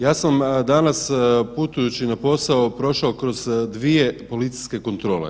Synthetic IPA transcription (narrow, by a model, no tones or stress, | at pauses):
jaːsamd̪anasput̪ujut͡ɕinapo̞saopɾo̞ʃaokɾo̞zd̪ʋije̞po̞lit̪si̥ske̞ko̞nt̪ɾo̞ːlḛ